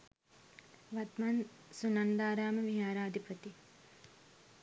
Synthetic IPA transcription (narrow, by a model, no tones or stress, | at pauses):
ʋat̪mansunand̪aːɾaːməʋiɦaːɾaːd̪ipət̪i